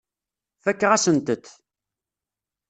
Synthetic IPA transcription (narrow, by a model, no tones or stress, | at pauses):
fækːəʁæsənt̪ət̪